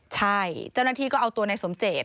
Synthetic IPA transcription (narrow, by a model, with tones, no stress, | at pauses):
t͡ɕʰa˥˩jt͡ɕa˥˩wnaː˥˩t̪ʰiː˥˩kɔː˥˩ʔa˧wt̪u˧əna˧jso˩˦mt͡ɕeː˨˩t̪̚